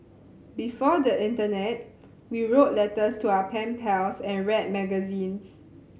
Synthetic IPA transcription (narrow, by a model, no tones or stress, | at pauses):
bifɔdəʔɪ̃ntənɛt̚ | wiɹotlɛtəstuawəpʰɛ̃npʰɛlsɛ̃nɹɛt̚mɛɡəzĩns